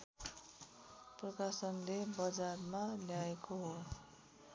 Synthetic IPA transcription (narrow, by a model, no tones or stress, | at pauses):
prʌkasʌnlebʌd͡zarmaljaekoɦo